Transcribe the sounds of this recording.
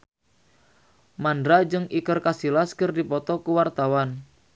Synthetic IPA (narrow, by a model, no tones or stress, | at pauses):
mandɾad͡ʒəŋikərkasilaskərdipɔt̪ɔkuwart̪awan